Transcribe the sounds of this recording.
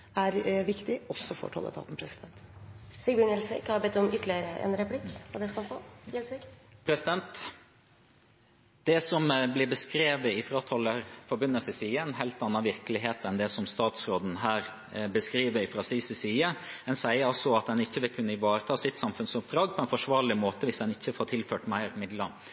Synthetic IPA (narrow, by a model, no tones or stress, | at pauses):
æɾʋɪkt̪ɪɔsːɔfo̰ːʈʰɔ̰lːə̰t̪ʰɑ̰ːt̪n̩pʰɾɛsɪd̪ɛnt̪siɪɳɛlsʋḭːkhɑɾbɛt̪ːɔmʏt̪ːlɪəɾəʔɛ̰nɾɛpʰlɪkːʋɑːd̪ɛskɑfo̰ːjɛlsʋiːkpʰɾɛsɪd̪ɛnt̪ | d̪̥ɛsɔmblɪɾbəskɾeːʋəɪfɾɑt̪ʰɑləɾfɔbʉnːəlsəsiːəɛnɦæɪlt̪ɑnːɑʋɪɾklɪɦeːt̪ɛnd̪ɛsɔmst̪ɑːt̪sɾoːd̪n̩ɦæːɾ | bəskɾiːʋəɾɪfɾɑsɪsəsiːəɛnsæɪəɾɑlsɔɑt̪̚d̪ɛnɪçːəʋɪlkʰʉnːəɪʋɑːɾət̪ʰɑːsɪt̪sɑmfʉnsʊp̚d̪ɾɑːɡpʰɔɛnfɔʂʋɑːɾɭɪmoːt̪əʋɪsd̪ɛnɪçːəfoːʈ̪ʰɪlføːʈmæɪɾmɪd̪lə